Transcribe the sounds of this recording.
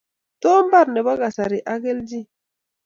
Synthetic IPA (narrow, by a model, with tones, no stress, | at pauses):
tɔ˦m̩˦ba˦˨ɾnɛ˨ba˦ɡa˨sa˨ɾi˨ʔa˦ɡe˦ld͡ʒi˦